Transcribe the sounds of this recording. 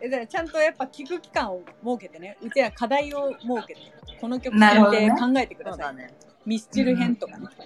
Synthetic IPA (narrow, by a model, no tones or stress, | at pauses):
edaat͡ɕãnt̪o̞japːakʲikɯ̟kʲi̥kãɰ̃o̞mo̞ːke̞t̪e̞ne̞ɯ̟t̪eakad̪aio̞mo̞ːke̞t̪eko̞no̞kʲo̞kɯaɨekãŋɡae̞t̪e̞kɯ̟d̪asaa | mʲiɕi̥t͡ɕiɾɯ̟ɦẽ̞nt̪o̞kan